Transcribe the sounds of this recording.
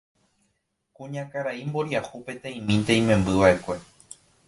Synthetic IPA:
kũɲãkaɾaimbo̞ɾiahupe̞t̪ẽj̃mĩnt̪ẽj̃mẽ̞mbɨʋaʔe̞kʷe̞

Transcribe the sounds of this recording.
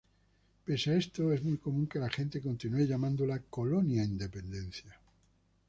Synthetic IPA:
pe̞sae̞st̪oe̞zmujko̞mũŋke̞laxe̞nt̪e̞ko̞nt̪inueʎamãnd̪olako̞lo̞njaind̪e̞pẽ̞nd̪e̞n̟θja

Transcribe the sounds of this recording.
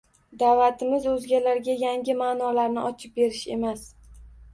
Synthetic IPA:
d̪avat̪ʰɪmɪzɵzɡʲalaɾɡʲajaŋɡʲɪmanɒlaɾnɪʔɒt͡ʃʰɪp̚be̞ɾɪʃe̞mas

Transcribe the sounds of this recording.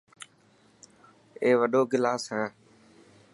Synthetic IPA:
eːʋəɗoːɡɪlaːsɦɛ̃ː

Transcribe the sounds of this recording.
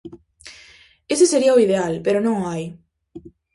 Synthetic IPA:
eseseɾiaoiðealpeɾonõŋaj

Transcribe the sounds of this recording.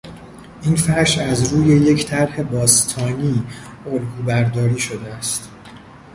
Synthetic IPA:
ʔiːnfæʃæzɾuːje̞je̞cʰt̪ʰæɾhe̞bɒːst̪ʰɒːniː | olɡuːbæɾd̪ɒːɾiːʃo̞d̪eæst̪

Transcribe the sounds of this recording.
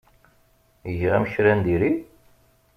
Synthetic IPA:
əʝʁæ̰mçɾænd̪iɾi

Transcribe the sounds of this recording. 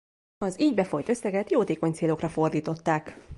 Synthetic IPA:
ɒziːɟbɛfo̞jt̪øsːɛɡɛt̪joːt̪eːko̞ɲt̪seːlo̞krɒfo̞rd̪iːt̪o̞t̪ːaːk

